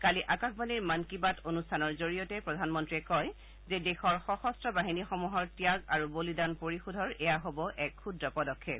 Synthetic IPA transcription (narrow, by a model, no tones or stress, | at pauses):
kaliʔakaxbaniɹmankibatʰonustʰanɔɹzoɹijɔtɛpɹɔdʱanmɔntɹiɛkɔj | zɛdɛxɔɹxɔxɔstɹɔbaɦinixɔmuɦɔɹtijaɡaɹubolidanpoɹixudʱɔɹɛjaɦobɔʔɛkxudɹɔpɔdɔkʰːet̚